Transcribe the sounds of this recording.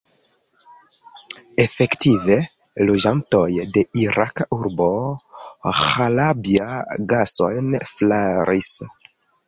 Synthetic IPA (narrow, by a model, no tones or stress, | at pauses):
e̞fe̞ktive̞ | lo̞d͡ʒanto̞jde̞iɾakauɾbo̞ | xalabiaɡaso̞̰jnflaɾis